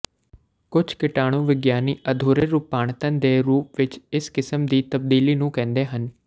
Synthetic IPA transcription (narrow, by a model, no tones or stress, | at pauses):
kʊd͡ʒʰkɪʈaːɽ̃ũːʋɪɡjaːniːʔəd̪ʱoːɾeːɾuːpːaːɳ̃t̪ə̃nd̪eːɾuːpʋɪt͡ʃɪskɪsəmd̪iːt̪əb̚d̪iːliːnũːkɛ̃ːnd̪eːɦən